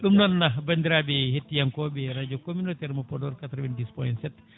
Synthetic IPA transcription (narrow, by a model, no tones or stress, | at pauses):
ɗumnɔnːabandiɾabɛhetːijaŋkɔɓɛɾad͡ʒɔkominotɛɾmɔpɔdɔɾkat̪ɾɔvɛndispɔjntsɛt